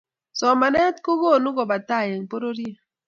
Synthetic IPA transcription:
sɔ˨ma˨nɛ˦tko˦ɣo˦˨nu˦ɡo˨ba˨ta˦˨je˨ŋ˨po˦ɾo˦ɾje˦

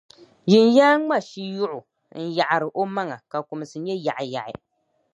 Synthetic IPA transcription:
ʒɪ˨n˦jaː˦ŋ͡ma˦˨ʃi˦jʊ˦ʔʊ˨ | n̩˦ja˨ʔa˨ɾɨ˨ʔo˦ma˦ŋa˨ka˨ku˨mɨ˨sɨ˨ɲɛ˦ja˨ʔɪ˨ja̰˨ʔɪ̰˨

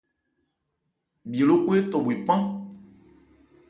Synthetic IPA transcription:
bi˨e˨lo˦ku˦e˦tɔ˨bwi˨pã˦

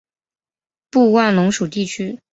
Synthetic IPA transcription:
pu˥˧wa˥˩nlʊ˧˥ŋʂu˨˩t̪i˥˩t͡ɕʰy˥

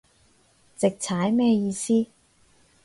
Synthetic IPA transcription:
t͡sɪ˨k̚t͡sʰaː˨˥jmɛː˥jiː˧siː˥

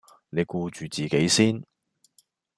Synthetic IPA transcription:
ne˨˧jkuː˧t͡ʃyː˨t͡siː˨˩ke˨˥jsiː˥n

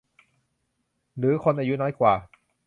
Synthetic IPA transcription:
ɾɯː˩˦kʰo˧nʔaː˧ju˦˥nɔː˦˥jkwaː˨˩

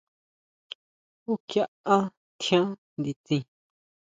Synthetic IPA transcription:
u˦kja˦˧ã˦ | t̪ʰjã˦ | nd̪i˧t͡sĩ˧

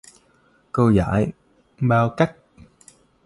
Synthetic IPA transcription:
kə˧za̰ː˧˥˦j | ɓaː˧wka˦˥jk̚

